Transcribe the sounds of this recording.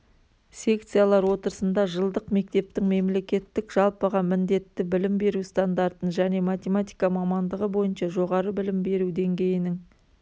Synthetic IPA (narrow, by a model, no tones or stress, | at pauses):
sʲe̞k̚t̪sɨjalˠɑɾwo̞t̪əɾəsənd̪ɑʒəlˠd̪əqme̞k̚t̪e̞p̚t̪ɪŋme̞mle̞kʲe̞t̪ːɪkʒ̥ɑlˠpəʁɑmɪnd̪e̞t̪ːɪbɪlɪmbe̞ɾust̪and̪ɑɾt̪ənʒæne̞mat̪ʲe̞mat̪ijkamɑmɑnd̪əʁəbo̞jənʃɑʒo̞ʁɑɾəbɪlɪmbe̞ɾud̪e̞ŋɡʲe̞jɪnɪŋ